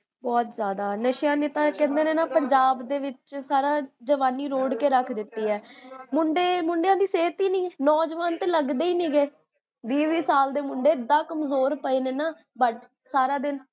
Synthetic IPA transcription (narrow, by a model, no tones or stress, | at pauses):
bɔːt̪zjaːd̪aːnəʃjãːneːt̪ãːkɛ̃ːnd̪eːneːnaːpəɲd͡ʒaːbd̪eːʋɪt͡ʃsaːɾãːd͡ʒəʋaːniːɾoːɽkeːɾəkʰd̪ɪt̪ːiːɦɛːmʊɳɖeːmʊɳɖejãːd̪iːseːt̪iːnĩːnɔːd͡ʒəʋaːnt̪eːləɡd̪eːiːnĩːɡeː | ʋiːʋiːsaːld̪eːmʊɳɖeːɪd̪ːãːkəmzoːɾpəiːneːnaː | bəʈ | saːɾãːd̪ɪn